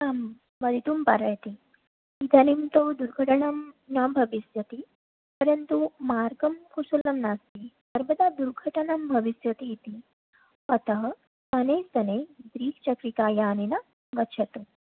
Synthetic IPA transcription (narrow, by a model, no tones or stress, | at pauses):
amː | əd̪ʱit̪uːmpaɾajt̪i | it̪ʰɐnimt̪od̪uɾɡʱəʈəɳamnɐbʱɐʋisjɐt̪i | pəɾənt̪umaɾɡɐmkʰusulɐmnast̪isəɾbəd̪ad̪uɾɡʱəʈəɳɐmbʱɐʋisjɐt̪ijet̪i | ɐt̪ɐɦ | ənesɐned̪ɾiːkt͡ɕɐkɾikaːjaːnenɐ | ɡɐt͡ʃʰɐt̪u